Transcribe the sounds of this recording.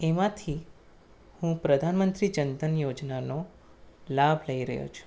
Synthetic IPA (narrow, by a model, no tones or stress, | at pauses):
emãt̪ʰi | hũpɾəd̪ʱanmənt̪ɾid͡ʒənt̪ənjod͡ʒnano | labʱləiɾə̰ɦjo̰t͡ʃʰu̥